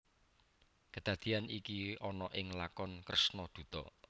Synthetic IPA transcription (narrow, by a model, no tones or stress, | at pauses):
kəd̪̥a̤d̪̥i̤anikiɔnɔʔɪŋlakɔnkɾəsnɔd̪̥ṳt̪ɔ